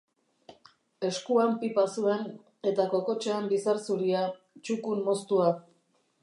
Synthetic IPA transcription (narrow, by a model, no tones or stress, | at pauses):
e̞skuampipasue̞n | e̞t̪ako̞ko̞t͡ʃeembisaɾsuɾia | t͡ʃukunmo̞st̪ua